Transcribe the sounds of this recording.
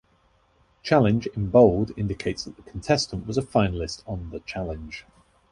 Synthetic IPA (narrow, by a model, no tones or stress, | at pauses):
t͡ʃʰalɪ̃nd͡ʒɪ̃nboʊlˠdɪ̰̃ndɪkʰeɪtsðəʔðəkʰə̃ntʰɛstə̃nʔwɒzəfaɪ̃nəlɪstn̩ðət͡ʃʰalɪ̃nʒ̥